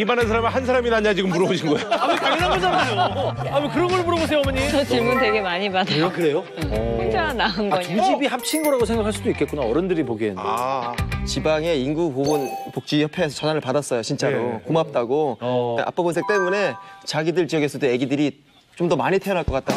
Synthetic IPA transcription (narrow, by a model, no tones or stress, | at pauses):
imanɯnsʰaɾamihans̬ʰaɾaminaɲad͡ʑiɡɯmpuɾʌboɕʰinɡʌjoamikaŋnaoanaoamekɯɾʌnɡʌɭpuɾʌbos̬ʰejoʌmʌɲiʌt͡ɕiɭmunde̞ɡe̞maɲimadakɯɾe̞jo | d͡ʑanaɯnɡʌɲud͡ʑibihap̚t͡ɕʰinɡoɾaɡosʰe̞ŋɡakʰaɭs͈udoik͈ek͈unaʌɾʌndɯɾipoɡienna̰ | t͡ɕibaŋe̞inɡupoɯnpok̚t͡ɕ͈ijʌpʰeːsʰʌt͡ɕʌnanɯɭpadas͈ʌjot͡ɕint͡ɕ͈aɾokumap̚t͈aɡoʔa̰p͈ʌbʌnsʰe̞k̚t͈e̞mune̞t͡ɕaɡidɯɭt͡ɕijʌɡe̞sʰʌdeje̞ɡidɯɾi | t͡ɕomdʌmaɲitʰeʌnɦaɭk͈ʌk͈at͈̚a